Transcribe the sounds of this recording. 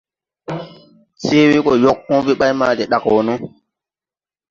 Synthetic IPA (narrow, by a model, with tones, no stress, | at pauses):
se˦we˦ko˨jo˦k̚ːɔ̃˦bi˦ɓa˦jma˦˨te˨ɗa˨kwo˨no˦